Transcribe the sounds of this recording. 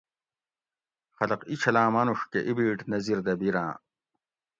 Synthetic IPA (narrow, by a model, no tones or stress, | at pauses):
xɐlɐqit͡ɕʰɐlaːmɐnuʂkeʔibiːʈnɐziɾd̪ɐbiɾã̰ː